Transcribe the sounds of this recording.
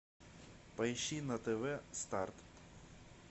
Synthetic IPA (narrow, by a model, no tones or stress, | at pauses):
pɐjʃinɐt̪eʋɛst̪ɑrt̪